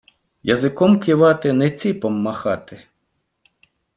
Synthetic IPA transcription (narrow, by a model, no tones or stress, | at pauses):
jɐzɪkɔmkʲɪʋɑt̪ɪnɛt͡sʲipɔmːɐxɑt̪ɪ